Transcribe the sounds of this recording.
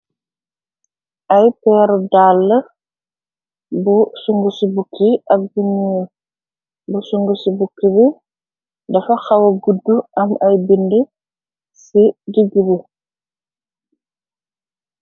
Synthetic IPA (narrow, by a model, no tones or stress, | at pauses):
ʔɐjpɛɾdaːlːə | busuŋɡusibukʰːiɐk̚buɲu | busuŋɡusibukːibi | dɐfɐxɐwɐɡudːuʔɐmɐjbindi | siduɡubi